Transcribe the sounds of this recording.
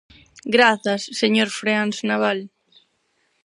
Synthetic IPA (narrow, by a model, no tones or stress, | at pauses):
ɡɾaθasːeɲoɾfɾeansnaβal